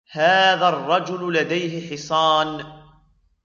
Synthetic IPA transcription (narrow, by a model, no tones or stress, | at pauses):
haːðarˤːɑd͡ʒʊllad̪ajɦɪħɪsˤɑːn